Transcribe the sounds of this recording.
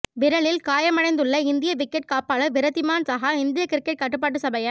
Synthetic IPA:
ʋɪɾɐɭɪlkaːjɐmɐɽɐɪnd̪ɯɭːɐɪnd̪ɪjɐʋɪkːɛʈ̚kaːpːaːɭɐʋɪɾɐt̪ːɪmaːnsaːɦaːɪnd̪ɪjɐkɪɾkːɛʈ̚kɐʈːɯp̬ːaːʈ̬ːɯsɐbɐjɐ

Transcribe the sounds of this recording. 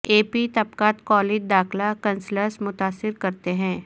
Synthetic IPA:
eːpit̪ɐbkaːt̪kɔːleːd͡ʒd̪aːxlakɐ̃nsləɾsmʊt̪aːsːɪɾkɐɾt̪eɦɛ̃ː

